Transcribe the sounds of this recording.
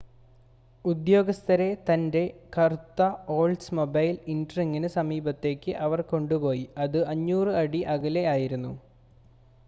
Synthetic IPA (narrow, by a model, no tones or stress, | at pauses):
ud̪jo̞ːɡɐst̪ʰɐɾe̞t̪ɐnde̞kɐrt̪ːɐo̞ːlsmo̞bɐjlindriŋːɐnɨsɐmiːbɐt̪ːe̞ːkʲːɨʔɐʋɐrko̞ɳɖupo̞ːjiɐðɨɐɲːuːrɨɐɽiʔɐɣɐle̞aːjiɾunːu